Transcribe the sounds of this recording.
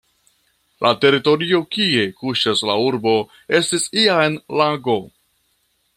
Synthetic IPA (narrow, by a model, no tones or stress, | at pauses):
lʔate̞ɾito̞ɾio̞kie̞kuʃaslauɾbo̞ | e̞stisiaenlaɡo̞